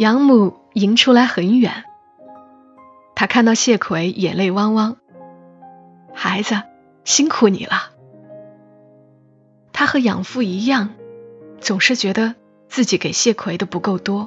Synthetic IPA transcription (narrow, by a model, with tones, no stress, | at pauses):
jɑ˧˥ŋmu˨˩ | i˧˥ŋʈ͡ʂʰu˥la˧˥ɪxə˧˥nɥɛ̰˨˩˦n | t̪ʰa˥kʰa˥˧nt̪ɑ˥˧ʊɕjɛ˥˩kʰwe˧˥ɪjɛ̰˨˩nle˥˩ɪwɑ˥ŋwɑ˥ŋ | xa˧˥ɪd͡zə˧ | ɕi˥ŋkʰu˨˩nḭ˨˩lʔə˦ | t̪ʰa˥xɤ˧˥jɑ̰˨˩ŋfu˥˩i˧˥jɑ˥˩ŋ | t͡sʊ˨˩ŋʂɻ̩˥˩t͡ɕɥɛ˧˥d̪ə˧ | t͡sɹ̩˥˩t͡ɕi˧˥ke˨˩ɪɕjɛ˥˩kʰwe˧˥ɪd̪ə˧pu˧˥ko˥˩ʊt̪wɔ˥